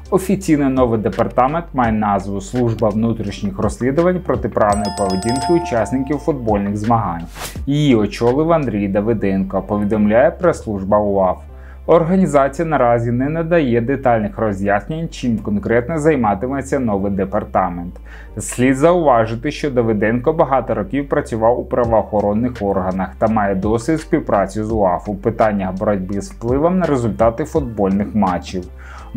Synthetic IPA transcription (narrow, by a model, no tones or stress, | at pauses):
ɔfʲit͡sʲijnɪjnɔʋɪjd̪epɐrt̪ɑment̪mɑjɛnɑzʋʊslˠuʒbɐʋnut̪ɾʲiʃnʲixrɔsʲlʲid̪ʊʋɐnʲpɾɔt̪ɪpɾɑwnɔjipɔʋedʲinkɪʊt͡ʃɑsʲnɪkʲiwfʊd̪̚bɔlʲnɪɣzmɐɦɑnʲjijiɔt͡ʃɔlˠɪʋɐnd̪ɾʲijd̪ɐʋɪd̪ɛnkɔpɔʋʲid̪ɔmlʲajɛpɾɛslˠuʒbɐʊɑf | ɔrɦɐnʲizɑt͡sʲijɐnɐɾɑzʲinɛnɛd̪ɐjɛd̪et̪ɑlʲnɪxɾɔzʲjasʲnʲɪnʲt͡ʃimkɔnkɾɛt̪nɛzɐjmɑt̪ɪmɛt͡sʲːɐnɔʋɪjd̪epɐrt̪ɑment̪ | sʲlʲid̪zɐʊʋɑʒɪt̪ɪʃt͡ʃɔd̪ɔʋɪd̪ɛnkɔbɐɦɑt̪ɔɾɔkʲiwpɾɐt͡sʲʊʋɑwʊpɾɐʋɔːxɔɾɔnːɪxɔrɦɐnɐxt̪ɐmɑjɛd̪ɔsʲʋʲit̪ʲsʲpʲiwpɾɑt͡sʲizʊɑfʊpɪt̪ɑnʲːɐxbɔɾɔdʲbɪzwplˠɪʋɔmnɐɾezʊlʲt̪ɑt̪ɪfʊd̪̚bɔlʲnɪxmɑt͡ʃːiw